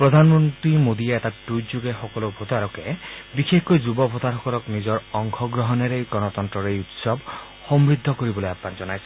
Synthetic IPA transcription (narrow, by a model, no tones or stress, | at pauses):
pɾɔd̪ʱanɔmɔnt̪ɾimod̪ieetaʈud͡ʒuɡexɔkɔlobʱot̪aɾɔkebixekkɔjd͡ʒubɔbʱɔt̪aɾɦɔkɔlɔknizɔɾɔŋkʰɔɡɾɔɦɔneɾejɡɔnɔt̪ɔnt̪ɾɔɾejut̪sɔb | hɔmɾid̪ʱːɔkɔɾibɔlojapːand͡ʒɔnajsʰi̥